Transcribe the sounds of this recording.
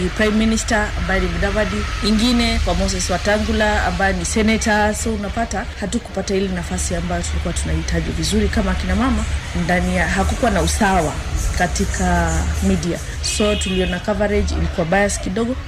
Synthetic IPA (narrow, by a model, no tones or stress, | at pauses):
pɾajmːinistaambajɛnimuɗavadiiŋɡinɛkwamɔs̬ɛswataŋɡulaa̰mbajɛnisɛnɛtasɔunapatahatuku̥patahilɛnafasiambajɔtulikuwatunahitaʄivizuɾikamaːkinamamandanijaɦakukuwanausawakatikʰamidia̰ | sɔtuliɔnakavaɾɛd͡ʒḭlikuwaɓajaskiɗɔɠɔ